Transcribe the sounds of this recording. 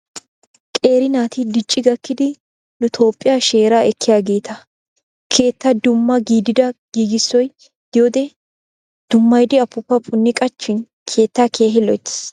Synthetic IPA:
kʼe̞ːɾɪnaːt̪ɪd̪ɪt͡ʃʼːɪɡɐkːɪd̪ɪ | nʊt̪ʰo̞ːpʼːɪjaʃe̞ːɾaːɛkʰːɪjaːɡe̞ːt̪ʰɐ | kʰe̞ːt̪ːɐd̪ʊmːɐɡiːd̪ɪd̪ɐɡ̥iːɡɪsːɔj | d̪̥ɪjoːd̪ɛ | d̪̥ʊmːɐjd̪ɪɐpːʊpːɐpʼʊnːɪkʼɐt͡ʃːɪn | kʰe̞ːt̪ːaːkʰe̞ːɦɪlɔjt̪ːɪ̥

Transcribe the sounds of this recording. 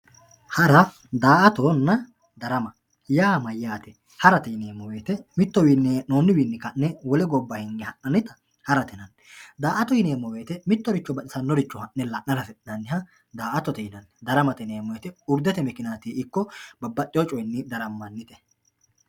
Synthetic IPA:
hɐɾɐ | d̪aːʔɐt̪oːnːɐ | d̪ɐɾɐmɐ | jaːmɐjːaːt̪ɛ | hɐɾɐt̪ɛɪneːmːɔwe̞ːt̪ɛmɪt̪ːɔwiːnːɛnoːnːɪwiːnːɪkɐnːɛwɔlɛɡɔbːɐhɛŋɡɛhɐʔnɐnɪt̪ɐ | hɐɾɐt̪ɛnɐnːɛd̪aːʔɐt̪ɔjɪneːmːɔwe̞ːt̪ɛmɪt̪ːɔɾɪt͡ʃːɔbɐᶑɪsɐnːɔɾɪt͡ʃːɔhɐʔːɛlɐʔnɐɾɐfɛᶑnɐnːɪhɐ | d̪aːʔɐt̪ɔt̪ɛjɪnɐnːɛd̪ɐɾɐmɐt̪ɛneːmːɔjɛt̪ɛʊɾd̪ɛt̪ɛmɛkɪnaːt̪iːɪkːɔbɐbːɐt͡ʃʼːɪjɔt͡ʃʼɔjnːɪd̪ɐɾɐmːɐnːɪt̪ɛ̥

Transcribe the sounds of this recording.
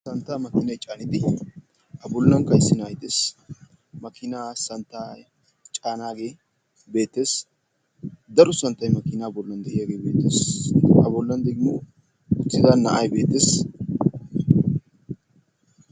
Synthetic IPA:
sɐnt̪ːaːmɐkɪnɐjt͡ʃʼaːnɪd̪ɪ | ʔɐbɔlːɐŋkɐjɪsːɪnaːjt̪es | mɐkɪnaːsɐnt̪ːaː | t͡ʃʼaːnaːɡe̞ː | be̞ːt̪ːe̞ːs | d̪ɐɾʊsɐnt̪ːɐjmɐkɪnaːbɔlːɐnd̪ɛʔɪjaɡe̞ːbe̞ːt̪ːeːsɐbɔlːɐnd̪ɛɡɪmoː | ʊt͡sːɪd̪anːɐ̰ʔɐjbe̞ːt̪ːeːs

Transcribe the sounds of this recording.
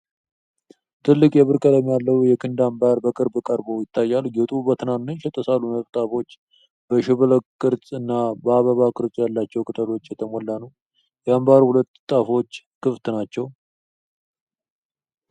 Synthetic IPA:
t̪ʰɨlːɨkʼjɛβɨɾkʼələmjalːəwjɛkʰɨnd̪ambaɾbəkʼɨɾbkʼəɾbowjɪt̪ʰːajːalɡɛt̪ʼubət̪ʰɨnannɨnʃɛt̪ʼːəsaluməβt̪ʼafo̞t͡ʃː | b̥əʃɪβɨləkkʼːɨɾt͡sʼɨnːabəaβəβakʼɨɾt͡sʼjalːat͡ʃːɛwkʼɨt̪ʼəlo̞t͡ʃːjɛt̪ʰəmɔlːanəw | jɛambaɾhulət̪ːt̪ʼafo̞t͡ʃː | kʰɨft̪nat͡ʃːɛw

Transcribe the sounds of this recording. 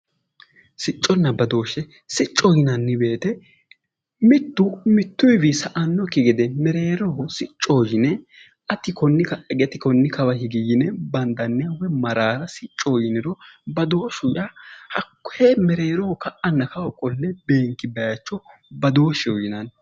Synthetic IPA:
sɪt͡ʃʼːɔnːɐbɐd̪o̞ːʃɛ | sɪt͡ʃʼːɔjɪnɐnːɪbe̞ːt̪ɛ | mɪt̪ːʊmɪt̪ːʊjɪbɪsɐʔɐnːɔkːɪɡɛd̪ɛmɛɾe̞ːɾɔhɔsɪt͡ʃʼːoːjɪnɛ | ʔɐt̪ɪkɔnːɪkɐɛɡɛt̪ɪkɔnːɪkɐwɐhɪɡɪjːɪnɛbɐnd̪ɐnːɪɐwɛmɐɾaːɾɐsɪt͡ʃʼːɔjɪnɪɾɔbɐd̪o̞ːʃʊjahɐkːhɛmɛɾeːɾɔhɔkɐʔɐnːɐkɐwɔkʼːɔlːɛbe̞ːŋkːɪbɛjɐt͡ʃːɔbɐd̪o̞ːʃɛɔjɪnɐn

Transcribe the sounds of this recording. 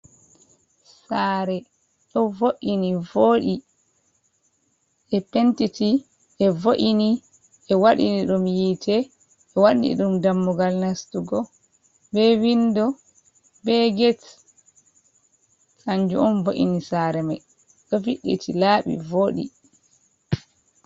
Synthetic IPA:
saːɾɛ | ɗɔvoʔinivoːɗi | ʔɛpɛntiti | ʔɛvoʔini | ʔɛwaɗḭniɗumjiːtʰɛ | ʔːwaɗḭɗumdamːuɡalnastuɡɔ | bɛwindɔ | bɛɡɛt | kaɲd͡ʒṵɔnvoʔḭnisaɾɛmaj | ɗɔviɗːḭtilaːɓḭvoːɗḭ

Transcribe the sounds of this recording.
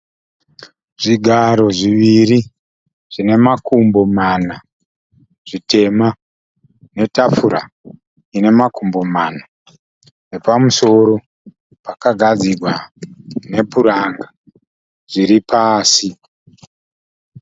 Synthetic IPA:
ʐiɡʱaɾo̞ʐiʋiɾi | ʐ̥ine̞makumbo̞mana | ʐ̥ite̞ma | ne̞tafuɾa̰ | ine̞makumbo̞mana | ne̞pamuso̞ɾo̞ | pakaɡʱad͡ziɡʱwa | ne̞puɾaŋɡa | ʐ̥iɾipaːsi

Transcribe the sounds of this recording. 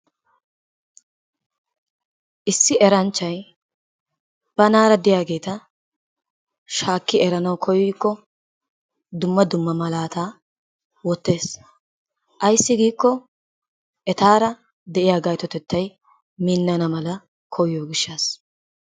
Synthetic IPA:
ʔɪsːɪʔɛɾɐnt͡ʃːɐj | b̥ɐnaːɾɐd̪ɪjaːɡe̞ːt̪ɐ | ʃaːkːɪɛɾɐnɐwkʰɔjiːkːɔ | d̪ʊmːɐd̪ʊmːɐmɐlaːt̪aː | wɔt̪ːe̞ːs | ʔɐjsːɪɡiːkːɔ | ʔɛt̪aːɾɐ | d̪ɛʔɪjaːɡɐjt̪ɔt̪ɛt̪ːɐj | minːɐnɐmɐlɐ | kʰɔjjoːɡɪʃːaːs

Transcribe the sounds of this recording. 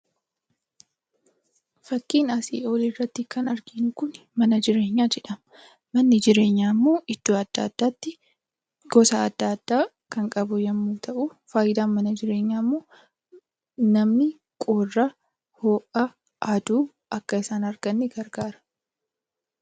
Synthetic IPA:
fɐkːiːnɐsḭːoːlirːɐt̪ːɪkɐnɐɾɡɪnʊkʊn | mɐnɐd͡ʒɪɾe̞ːɲːaːd͡ʒɛᶑɐm | mɐnːɪd͡ʒɪɾe̞ːɲːaːmːo̞ːʔɪd̪̥ːuːɐd̪̥ːa̰ːd̪̥ːaːt̪ːɪ | ɡ̥ɔsɐɐd̪̥ːaːd̪̥ːaː | kɐŋkʼɐbʊjɐmːuːt̪ʰɐʔʊfaːjɪd̪aːnmɐnɐd͡ʒɪɾe̞ːɲːaːmːoː | nɐmnɪ | kʼoːrːɐ | hoːʔɐ | ɐd̪uː | ɐkːɐɪsaːnɐɾɡ̥ɐnːɪɡɐɾɡaːɾɐ̥

